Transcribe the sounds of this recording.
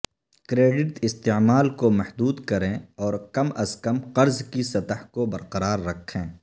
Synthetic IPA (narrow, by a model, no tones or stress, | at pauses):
kɾeːɖɪʈɪst̪emaːlkomɐhd̪uːd̪kɐɾẽɔːɾkɐmɐzkəmqɐɾzkisɐt̪əhkobɐɾqɐɾaːɾːɐkʰːẽː